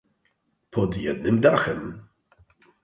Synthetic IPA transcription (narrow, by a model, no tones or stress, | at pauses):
pʰɔd̪jɛ̰d̪̚nɘmd̪aɾxɛm